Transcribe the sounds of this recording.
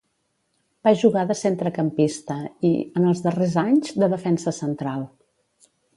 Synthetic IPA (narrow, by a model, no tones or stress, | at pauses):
b̥aʒuɣaðəsent̪ɾəkəmpist̪əḭənəlˠzðərezaɲzd̪əðəfɛnsəsənt̪ɾalˠ